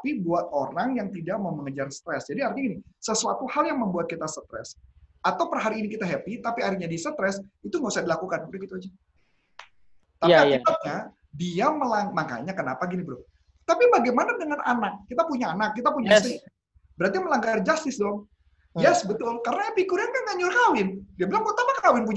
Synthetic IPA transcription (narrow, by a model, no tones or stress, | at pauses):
pibuat̪̚oɾaŋjaŋt̪idaʔ̚maməŋəd͡ʒarst̪ɾɛsd͡ʒadiart̪ɲaɡinisəsuat̪uhaljaŋməmbuat̪̚kit̪asət̪ɾɛ̰sat̪awpərɦaɾiːnikit̪aɦɛpit̪apiaɾiɲadisət̪ɾɛsit̪uŋɡausahdilakukanbəɡit̪uad͡ʒɛ | t̪aiit̪at̚ɲa | diaməlaŋmaka̰ɲakəna̰paɡinibɾʊl | t̪apibaɡajmanadəŋanʔa̰nak̚ːit̪apuɲaanakːit̪apuɲast̪i | bəɾart̪iməlaŋɡard͡ʒast̪ɪsdɔŋ | jɛsbət̪ʊlkaɾənajapikuɾankaŋaɲʊrkawɪndiabilaŋpəut̪amakkawɪnp̬uɲ